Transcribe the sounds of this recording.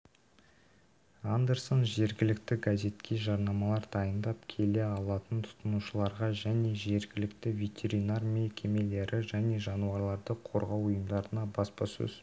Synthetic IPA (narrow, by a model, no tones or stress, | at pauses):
and̪eɾsonʒe̞ɾɡʲɪlɪk̚t̪ɪɡaze̞t̪kʲʰe̞ʒɑɾnɑmɑlˠɑɾd̪ɑjənd̪ɑpkʲʰe̞le̞ɑlˠɑt̪ənt̪ʰʊ̥t̪ənuʃəlˠɑɾʁɑʒæne̞ʒe̞ɾɡʲɪlɪk̚t̪ɪvʲe̞t̪ʲʰe̞ɾinarmekʲʰe̞me̞le̞ɾʔɪʒæne̞ʒɑnuɑɾlˠɑɾd̪əqʰo̞̰ɾʁɑwʊjəmd̪ɑɾənɑbɑspɑsɵ̰z